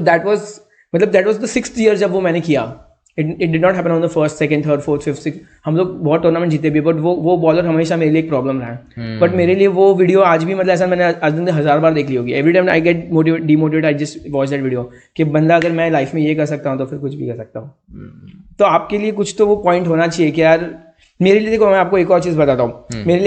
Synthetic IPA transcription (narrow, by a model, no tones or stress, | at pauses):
t̪od̪ɛːʈʋɔːz | mɐt̪ləb̚d̪æːʈʋɔːzd̪əsɪkst̪ʰjiəɾzd͡ʒɐbʋomɛ̃ːnekija̰ | ɪʈɪʈ̚ɖɪɖnɔːʈɦæːp̬ə̃nɔ̃nd̪əfəɾsʈsɛkə̃ɳɖt̪ʰəːɾɖfoːɾt̪ʰfɪfʈsɪks | hɐ̃mloːɡ̚bɔːt̪̚ʈəːɾnamɛ̃ɳʈ̚d͡ʒiːt̪̬ebʱiebɐʈ̬ʋoʋobɔːləɾɦɐmeːʃ̬ameːɾelieːk̚pɾɔːblə̃mɾɐɦɛ̃ː | bɐʈmeːɾelieʋoʋɪɖijoaːd͡ʒbʱimɐt̪ləbɛːs̬amɛ̃ːneɐd͡ʒd̪ɪnd̪eɦɐzaːɾbaːɾd̪eːkʰliɦoːɡiɛʋɾiʈãɪ̃ma̰ɪɡɛʈ̚moːʈ̬iʋeːʈ̚ɖiːmoːʈ̬iʋeːʈaːɪd͡ʒɐsʈʋɔːt͡ʃd̪ɛːʈʋɪɖijo | kibɐ̃nd̪aɐɡəɾmɛ̃laːɪfmẽjekɐɾsɐk̚t̪aɦũt̪ofɪɾkʊt͡ʃʰbʱikɐɾsɐk̚t̪aɦũː | t̪oaːp̚keliekʊt͡ʃʰt̪oʋopɔ̃ːɪ̃ɳʈɦoːnat͡ʃiekijaːɾ | meːɾelied̪eːkʰomɛ̃aːp̚koeːkɔːɾt͡ʃiːzbɐt̪aːt̪aɦũːmeːɾeli